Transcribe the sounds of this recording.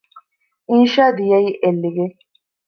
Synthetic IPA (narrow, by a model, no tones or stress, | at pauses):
ʔinʃaːd̪ijɐiːʔelːiɡe